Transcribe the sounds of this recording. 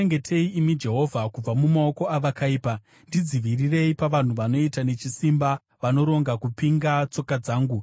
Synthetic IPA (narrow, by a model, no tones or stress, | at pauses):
eŋɡe̞tʰe̞iimid͡ʒe̞ɦo̞vʱakub͡vamumaoko̞aʋakaiːpa | ndid͡ziʋirire̞ipaʋan̤uʋano̞itane̞t͡ʃisimba | ʋano̞ɾo̞ŋɡakupiŋɡat͡so̞kad͡zaːŋɡu